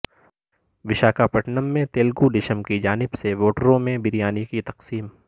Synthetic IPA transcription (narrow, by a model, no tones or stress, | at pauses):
ʋɪʃaːkapɐʈnəmːẽt̪eːlɡuɖɪʃəmkid͡ʒaːnɪbseʋoːʈəɾõmẽbɪɾijaːnikit̪ɐqsiːm